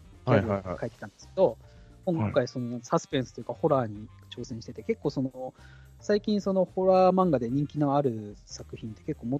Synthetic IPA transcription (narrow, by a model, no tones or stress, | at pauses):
aiokaet̪ːe̥t̪ãnd̪esɨ̥ke̞d̪o̞ | kõŋkõŋkaiso̞no̞sasɨ̥peɰ̃sɨ̥t̪ojɯ̟kaho̞ɾaːɲ̟i | t͡ɕo̞ːsẽɕi̥t̪e̞t̪e̞ke̞kːo̞ːso̞no | saikʲĩɰ̃so̞no̞ho̞ɾaːmãŋɡad̪e̞ɲ̟ĩŋkʲino̞aɾɯ̟sakɯ̟çĩnt̪ːe̞ke̞kːo̞ːmo